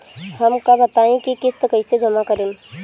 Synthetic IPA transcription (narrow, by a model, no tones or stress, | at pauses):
hɐmkabɐt̪aːẽkikɪst̪kəised͡ʒɐmakəɾen